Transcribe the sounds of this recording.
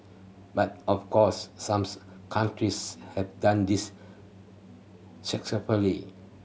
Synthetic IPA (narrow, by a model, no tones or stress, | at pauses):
bat̚ɔfkʰɔsːãms | kʰãntɹishɛvdãndis | sɛksəfəli